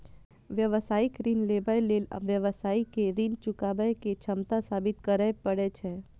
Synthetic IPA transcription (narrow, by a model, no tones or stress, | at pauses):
ʋjəʋəsaːɪkɾinlebəjlel̰ʋjəʋəsaːikeɾint͡ʃʊkaːbəjket͡ʃʰəmt̪asaːbɪt̪kəɾəjpəɽet͡ʃʰɛ